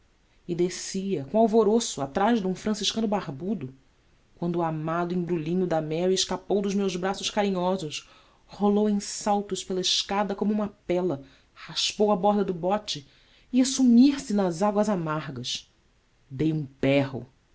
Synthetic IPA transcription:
ɪd̪esiɐkõawvoɾosʊat̪ɾaʒd̪ũfɾɐ̃siʃkɐ̃nʊbahbud̪ʊ | kwɐ̃nd̪ʊamad̪ʊẽbɾulĩɲʊd̪ɐmɛɾiɪʃkapowd̪ʊzmewzbɾasʊʃkaɾĩɲɔzʊʃ | holowẽsawt̪ʊʃpelɐɪʃkad̪ɐkõmuũmɐpɛlɐ | haʃpowɐbɔɦd̪ɐd̪ʊbɔt͡ʃɪ | iɐsumiɾsɪnɐzaɡwɐzamaɾɡɐʃ | d̪ejũpɛɦʊ̰

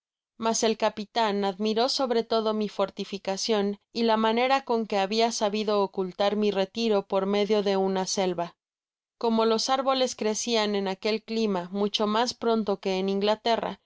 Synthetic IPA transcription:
mase̞lkapit̪anaðmiɾo̞so̞βɾe̞t̪o̞ð̞o̞mifo̞ɾt̪ifikasjo̞nilamãne̞ɾako̞ŋke̞aβiasaβiðo̞ːkult̪aɾmire̞t̪iɾo̞po̞ɾme̞ðjo̞ðe̞unase̞lβa | ko̞mo̞lo̞saɾβo̞le̞skɾe̞sianẽ̞nake̞lklimamut͡ʃo̞maspɾo̞nt̪o̞ke̞ːniŋɡlat̪e̞ra̰

